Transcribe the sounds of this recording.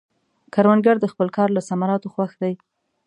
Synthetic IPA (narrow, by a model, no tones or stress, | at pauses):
kaɾwanɡaɾd̪əxpəlkɑɾlasamaɾɑt̪oxwaxd̪aj